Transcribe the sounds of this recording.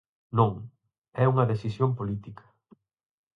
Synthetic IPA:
nõŋ | ɛuŋɐðesisjompolit̪ikɐ̥

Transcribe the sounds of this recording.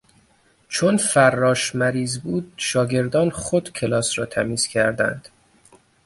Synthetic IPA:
t͡ʃʰonfærːɒːʃmæɾiːzbuːd̪̥̚ʃɒːɟe̞ɾd̪ɒːnχod̪̥cʰe̞lɒːsɾɒːt̪ʰæmiːz̥cʰæɾd̪æ̰nd̪̥

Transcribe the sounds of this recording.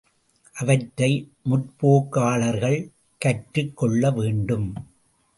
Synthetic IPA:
ʔɐʋɐʈːɐɪmʊʈpoːkːaːɭɐɾɣɐɭ | kɐʈɾɯkːɔɭːɐʋeːɳɖɯm

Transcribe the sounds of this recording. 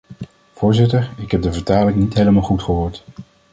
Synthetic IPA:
v̥ʊːɹzɪtəɹɪkɦɛb̚dəvəɹtaːlɪŋnitɦejləmɑlˠχutχəɦoːɹt

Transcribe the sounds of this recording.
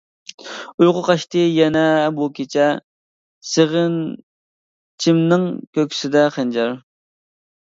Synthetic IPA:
ujʁʊqɑʃt̪ɨjɛnɛbukʲet͡ʃʰɛ | seʁən | t͡ʃʰimnɪŋkʲøkʲʰi̥sɪd̪ɛχænd͡ʒɑɾ

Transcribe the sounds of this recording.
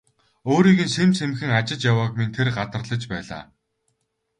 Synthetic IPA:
oːɾiːɣɘ̆nsemsemxɘ̆ŋat͡ɕɪ̆t͡ɕjawaːkmint̪ʰerɢat̪ə̆rɮə̆t͡ɕpæːɮa̰ː

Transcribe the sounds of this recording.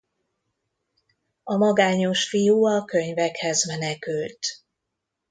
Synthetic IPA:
ɒmɒɡaːɲo̞ʃfijuːɒkøɲvɛkhɛzmɛnɛkylt̪

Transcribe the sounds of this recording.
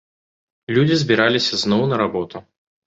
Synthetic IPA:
lʲud͡zʲizbʲiɾalʲisʲɐznɔwnɐɾabɔt̪u

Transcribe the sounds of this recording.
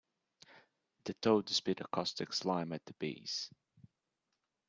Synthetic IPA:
ðɨtʰoʊdɪspjʉɾəkʰɔstɪkslãɪ̃mɨt̪̚ðəbḭːz̥

